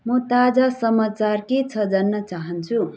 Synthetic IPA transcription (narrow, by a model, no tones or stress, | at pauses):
mʌt̪ad͡zasʌmat͡sarket͡sʰʌd͡zanːʌt͡saɦʌnt͡sʰu